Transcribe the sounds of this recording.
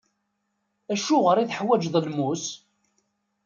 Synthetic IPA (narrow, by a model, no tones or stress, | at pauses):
æʃʊʁəɾiθħwæd͡ʒðˤəlmus